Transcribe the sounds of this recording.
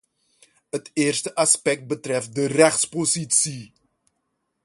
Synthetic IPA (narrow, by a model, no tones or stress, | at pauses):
ətɪːrstəʔɑspɛk̚t̚bətrɛft̚dərɛχtspositsi